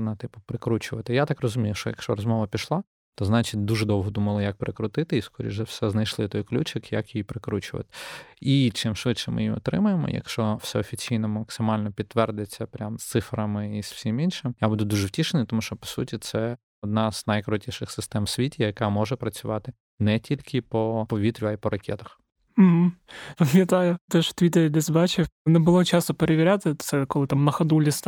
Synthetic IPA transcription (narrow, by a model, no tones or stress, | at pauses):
nɐt̪ɪpʊpɾɪkɾut͡ʃʊʋɐt̪ɪjat̪ɑkrɔzʊmʲijʊʃɔjɐ̰kʃt͡ʃɔɾɔzmɔʋɐpʲiʃlˠɑ | t̪ɔznɑt͡ʃit̚ʲd̪uʒɛd̪ɔwɦɔd̪umɐlˠɪjɐk̚pɾɪkɾʊt̪ɪt̪ɪiskɔɾʲḭʒɛwsɛznɐjʃlˠɪt̪ɔjklʲut͡ʃɪkjɐkjjipɾɪkɾut͡ʃʊʋɐ̰t̪ɪ̥it͡ʃɪmʃʋɪt̪ʃɛmʔɪ̰jiɔ̰t̪ɾɪmʊjemɔ̰jɐ̰kʃt͡ʃɔwsɛɔfʲit͡sʲijnɔmmɐksɪmɑlʲnɔpʲid̪t̪ːʋɛrd̪et͡sʲːɐpɾʲamst̪sɪfɾɐmɪiswsʲiminʃɪmjabud̪ʊd̪uʒɛwtʲiʃenɪjt̪ɔmuʃt͡ʃɔpɔ̥sṵtʲit̪sɛ | ɔd̪nɑz̥nɐjkɾɔtʲiʃɪxsɪst̪ɛmsʲʋʲitʲijɐkɑmɔʒɛpɾɐt͡sʲʊʋɑt̪ɪ | nɛtʲilʲkʰɪpɔpɔʋʲit̪ɾʲʊaipɔɾɐkʲɛ̰t̪ɐ̥x | m̩ɦm̩pɐmʲjɐt̪ɑjʊt̪ɛʃt̪ʋʲit̪eɾʲid̪ʲɛzʲbɑt͡ʃʲɪnebʊlˠɔt͡ʃɑsʊpeɾeʋʲɪɾʲat̪ɪt̪sɛkɔlˠɪt̪amnɐxɐd̪ulʲist̪